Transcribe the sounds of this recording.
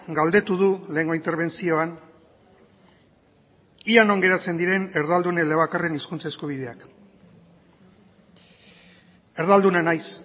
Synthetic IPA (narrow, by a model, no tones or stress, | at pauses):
ɡald̪e̞t̪uðule̞ːŋɡo̞int̪eɾβ̞e̞nt͡sio̞an | ianoŋɡe̞ɾat͡se̞nd̪iɾe̞ne̞ɾðald̪uneleβakare̞niskunt͡sae̞skuβ̞iðe̞ak | e̞ɾðald̪unanajs